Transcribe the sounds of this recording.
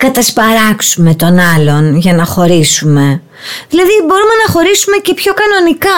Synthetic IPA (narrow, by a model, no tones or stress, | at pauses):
kɐt̪ɐspɐɾɐksume̞t̪o̞nɐlo̞nʝɐnɐxo̞ɾisume̞ | ðilɐðibo̞ɾume̞nɐxo̞ɾisume̞ce̞pço̞kɐno̞nikɐ